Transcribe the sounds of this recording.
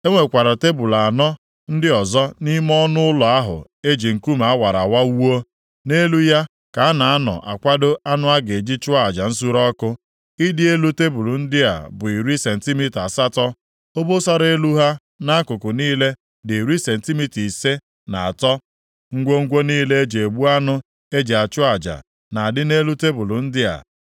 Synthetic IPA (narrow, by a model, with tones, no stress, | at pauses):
e˦ŋʷe˨kʷa˨ɾa˨te˦bu˨la˨nɔ˦ | n̩˦dɪ˦ɔ˨zɔ˦ni˦m˦ɔ˦nʊ˦ʊ˦lɔ˨a˦ɦʊ̰˨ | e˦d͡ʒi˨ŋ̩˨ku˦ma˨a˦wa˨ɾa˨wa˦wo˦ | ne˦lu˦ja˦ | ka˨a˦na˨a˦nɔ̰˨ʔa˨kʷa˦do˦a˦nʊ˦a˦ɡe˨d͡ʒi˦t͡ʃʊ˦a˦˨d͡ʒa˨n̩˦s̬u˦ɾɔ˦kʊ˦ | i˦dɪ˦e˦lu˦te˦bu˨lu˨n̩˦dɪ˦a̰˨bʊ˨i˨ɾi˦se˨n̩˨ti˦mi˦ta˨sa˦tɔ˦ | o˦bo˦sa˦ɾe˦lu˦ɦa˦ | na˦a˦kʊ˨kʊ˨niː˦le˦ | dɪ˨ɾi˦se˨n̩˨ti˦mi˦ti˨se˦ | na˨a˨tɔ˦ | ŋ̩˦ɡʷo˦ŋ̩˦ɡʷo˦niː˦le˦e˦d͡ʒe˨e˨ɡ͡bu˦a˦nʊ˦ | e˦d͡ʒe˨a˨t͡ʃʊ˦a˨d͡ʒa̰˨ | na˨a˨dɪ˦ne˦lu˦te˦bʊ˨lʊ˨n̩˦dɪ˦a̰˨